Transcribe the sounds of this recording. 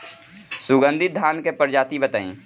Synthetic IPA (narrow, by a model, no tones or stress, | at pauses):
sʊɡə̃nd̪ʱɪt̪̚d̪ʱaːnkepəɾd͡ʒaːt̪ibət̪a̰ːḭ̃ː